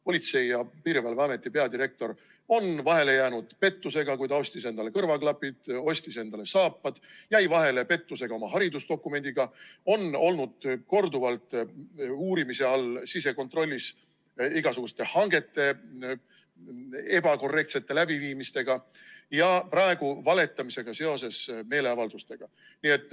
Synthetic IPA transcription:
po̞lʲit̪se̞jjɑpiːɾvɑlveɑme̞t̪ːˑipe̞ɑd̪iɾe̞k̚t̪o̞ɾ | o̞nvɑɦe̞le̞jæːnud̪̥pe̞t̪ːuse̞ɡ̥ɑkujt̪ɑosʲt̪ise̞nd̪ɑle̞kɤrvɑklɑpːid̪̥o̞sʲt̪ise̞nd̪̥ɑle̞sɑːpːɑd̪̥jæjvɑɦe̞le̞pe̞t̪ːuse̞ɡ̥ɑo̞mɑɦɑɾid̪usd̪̥o̞kˑːume̞nd̪iɡ̥ɑo̞no̞lnud̪̥ko̞rd̪uvɑlt̪ | uːɾimise̞ɑlsise̞ko̞nt̪ro̞lʲːis | iɡ̥ɑsuɡ̥ust̪e̞hɑŋɡ̥e̞t̪ːe̞ | e̞b̥ɑko̞rːe̞kt̪se̞t̪ːe̞læb̥iviːmist̪e̞ɡ̥ɑ | jɑpɑe̞ɡ̥uvɑle̞t̪ːˑɑmise̞ɡ̥ɑse̞o̞se̞sme̞ːle̞ɑvɑld̪̥ust̪e̞ɡ̥ɑ | nie̞t̪ːˑ

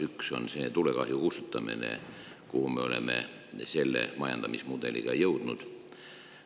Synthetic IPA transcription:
ykso̞̰nse̞ːt̪ule̞kɑɦjukust̪ut̪ːˑɑmḭnḛ | kuhumeo̞le̞̰me̞̰ | se̞lːe̞̰mɑjɑ̰nd̪̥ɑmismud̪̥e̞lḭɡ̥ɑjɤwd̪̥nud̪̥

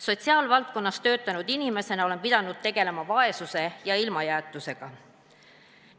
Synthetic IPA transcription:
so̞t̪ʲsiɑːlvɑlt̪̚ko̞nːɑst̪ø̞ːt̪ˑːɑnud̪̥inime̞se̞nɑole̞mpid̪̥ɑnud̪̥̚t̪e̞ɡ̥e̞le̞mɑvɑe̞suse̞jɑilmɑjæːt̪ːˑuse̞ɡ̥ɑ

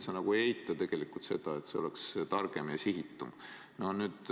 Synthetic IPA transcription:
sɑnɑɡ̥uejt̪ːˑɑt̪e̞ɡ̥e̞likult̪se̞̰d̪̥ɑe̞t̪seo̞lekst̪ɑrɡ̥e̞mjɑsiɦit̪ːum | no̞hnyːd̪̥

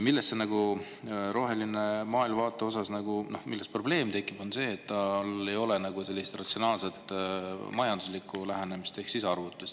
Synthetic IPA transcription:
milːestːenɑɡ̥u | ɾo̞ɦe̞linemɑːilmvɑːt̪ˑːe̞o̞sɑsnɑɡuno̞̰hmilːespro̞ble̞ːmt̪e̞kːˑib̥o̞nse̞ːt̪ːɑle̞jo̞lenɑɡ̥use̞lːist̪rɑt̪sio̞nɑːlse̞t̪ːˑmɑjɑnd̪uslikːˑulæɦene̞mist̪e̞hksiseɑrvut̪ːˑust̪

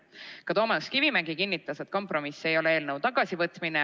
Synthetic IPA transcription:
kɑt̪o̞ːmɑskivimæŋɡikinːit̪ːˑɑset̪̚ˑko̞mpro̞misːe̞jo̞leeːlnəwt̪ɑɡ̥ɑsivɤt̪ˑmine

